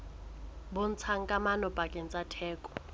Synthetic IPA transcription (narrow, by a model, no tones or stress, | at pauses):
bon̩t͡sʰaŋ̩kʼamanɔpʼakʼɛn̩t͡sʼatʰɛːkʼɔ̥